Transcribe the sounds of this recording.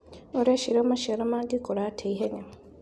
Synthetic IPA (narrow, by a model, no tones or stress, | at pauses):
oɾeʃiɾoːmaʃeɾamaɡikoɾatʰeiɦeɲam